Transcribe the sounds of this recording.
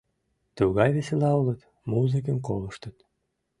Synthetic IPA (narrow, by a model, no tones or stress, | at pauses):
t̪uɣɑjβeselɑulət̪ | muzɨk̬ənkoləʃt̪ət̪